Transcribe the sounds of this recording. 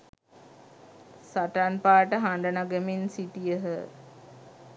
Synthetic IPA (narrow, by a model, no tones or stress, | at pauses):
saʈanpaːʈəɦaɳɖənaɡəminsiʈijəɦə